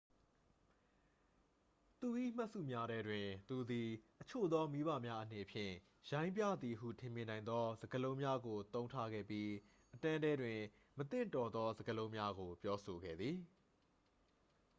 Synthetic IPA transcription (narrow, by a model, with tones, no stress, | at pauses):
t̪u˨ʔḭ˦˨m̥a˦ʔsṵ˦˨mja˦ɾɛ˦dwɪ̃˨t̪u˨d̪i˨ʔət͡ɕʰo̰˦˨d̪ɔ˦mi˦βa̰˦˨mja˦ʔəne˨pʰjɪ̰̃˦˨ | jã˦ɪ̃mpjä̰˦˨d̪ði˨ɦṵ˦˨tʰɪ̃˨mjɪ̃˨nã˨ɪ̃nd̪ɔ˦zə˨ɡəlõ˦ʊ̃mja˦ɡo˨t̪õ˦ʊ̃ntʰa˦ɡɛ̰˦˨pji˦ | ʔətã˦dɛ˦dwɪ̃˨ | mət̪ɪ̰̃˦˨ntɔ˨d̪ɔ˦zə˨ɡəlõ˦ʊ̃mja˦ɡo˨pjɔ˦so˨ɡɛ̰˦˨d̪ði˨